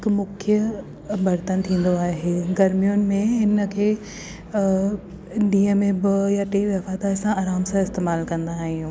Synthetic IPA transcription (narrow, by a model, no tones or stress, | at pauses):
ɦɪkmʊkʰjə | bɐɾt̪ənt̪ʰĩːnd̪oaːɦeːɡɐɾmijʊnɪ̆mẽɦɪnə̆kʰeː | ɗĩːəmẽbɪjaʈeːʋɐfaːt̪aɾsãaːɾaːmsãɪst̪eːmaːlkɐ̃nd̪aːɦijũː